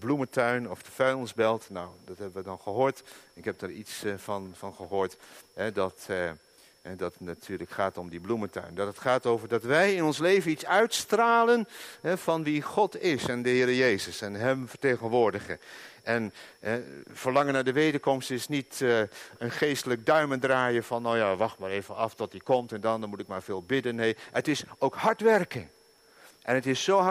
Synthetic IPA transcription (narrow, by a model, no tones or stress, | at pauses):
blumətœɥnɔfdəfɛɥnzbɛlˠtnawdɑtɦɛbənʋədɑnχəɦʊːɹtɪkɦɛp̚daːɹitsfɑnfɑnχəɦʊːɹtɦɛdɑt | ɛdɑtnatʰyːɹləkχaːtɔmdiblumətœ̰ɥndɑtətχaːtowvəɹdɑtʋɛjɪnɔnslejvənitsœɥtstraːlənɦɛv̥ɑnʋiχɔtɪsɛndəɦɪːɾəjejzəsɛnɦɛmfəɹtejχənʋʊːɹdəχəɛnɛv̥əɹlɑŋənaːdəʋejdəɹkɔmstɪsnitənχejstələk̚dœɥməndraːjəv̥ɑnowjaːʋɑχtmaːɾejvənɑftɔtdikɔmtɛndɑnmutɪkmaːɹv̥ɪːlˠbɪdənːejətɪsowkhɑɹtʋɛrkəŋ | ʔɛnətɪsːowɦ